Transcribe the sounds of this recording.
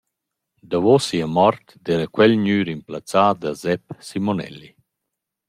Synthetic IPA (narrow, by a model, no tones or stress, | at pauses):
d̪avosiamɔɾt̪d̪eːɾəkwɛlɲyːɾimplat͡saːd̪azɛp̚simonɛ̰lːi